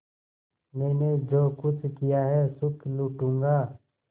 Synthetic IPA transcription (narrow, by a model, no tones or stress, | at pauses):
mɛːned͡ʒoːkʊt͡ʃʰkijaɦɛsʊkluʈũːŋɡaː